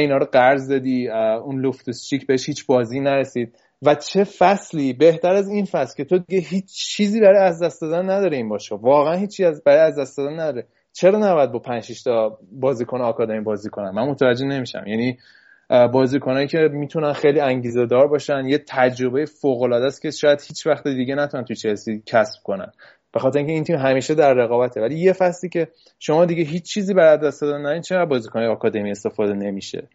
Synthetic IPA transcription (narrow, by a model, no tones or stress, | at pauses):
iːnɒːɾoɢæɾzd̪ɒd̪iːunloft̪ust͡ʃicʰbeeʃhiːt͡ʃbɒːzinæɾesiːd̪̚ | væt͡ʃʰe̞fæsliːbe̞ht̪æɾæzinfæslcʰʲe̞t̪ʰo̞d̪iɡeɦiːt͡ʃt͡ʃʰːiːziːbæɾɒjæzd̪æst̪d̪ɒːd̪ænːæd̪ɒːɾeiːnbɒːʃevɒːɣeænhiːt͡ʃʰːiæbæɾɒjæzd̪æst̪ɒːd̪ænːæd̪ɒːɾe | t͡ʃʰe̞ɾɒːnæbɒjæd̪̚bɒpʰænd͡ʒʃiʃt̪ʰɒbɒːziːkʰonɒːkʰɒːd̪ɒɾimbɒːziːkʰonænmænmot̪ʰævæd͡ʒːe̞hne̞miʃæ̰mjæni | bɒːziːkʰonɒːjicʰe̞mit̪ʰunænxejliæŋɟiːze̞d̪ɒːɾbɒːʃænjet̪ʰæd͡ʒɾo̞bejefoɣolɒːd̪æscʲe̞ʃɒːjæd̪̥hiːt͡ʃʰvæxt̪ed̪iɟenæt̪ʰunænt̪ujet͡ʃʰelsicʰæsb̥̚konæ̰n | b̥e̞xɒːt̪eɾiŋcʰeiːnt̪ʰimɦæmiːʃe̞d̪æɾːe̞ɣɒːbæt̪ʰevælije̞fæsliːcʰe̞ | ʃo̞mɒːd̪iɟeɦit͡ʃːt͡ʃʰːiːziːbæɾæd̪ːæsd̪ɒd̪ænːædit͡ʃʰeææd̪̚bɒːziːkʰonɒjeɒːkʰɒd̪e̞miest̪e̞fɒːd̪e̞ne̞miʃḛ